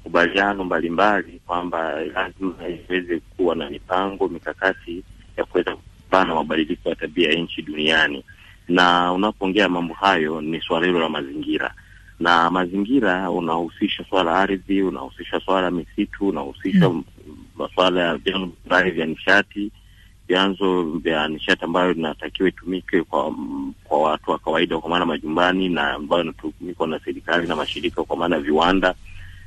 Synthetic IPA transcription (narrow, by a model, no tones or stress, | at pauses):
makuɓalianɔmbalimbalikwambalazimaiwɛzɛkuwanamipaŋɡɔmikakatʰi | jakuwɛzakuupanamaɓaɗilikɔjataɓiajaɲ̩t͡ʃiɗuniani | naunapɔɔŋɡɛamambɔhajɔniswalahilɔlamaziŋɡiɾa̰ | namaziŋɡiɾaṵnahusiʃaswalaaɾðiuna̰husiʃaswalamisitʰuːnahusiʃa | maswalajavjanzɔiɾahivjaniʃati | vjanzɔvjaniʃatiambajɔinatakiwaitumikɛkwakwawatuwakawaiɗakwamaːnamaʄumbanina̰mbajɔinatumikwanasɛɾikalinamaʃiɾikakwamaːnajaviwanda